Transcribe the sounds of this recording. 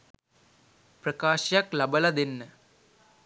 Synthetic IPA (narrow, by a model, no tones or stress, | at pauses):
prɐkaːɕjɐklɐbɐlɐd̪enːə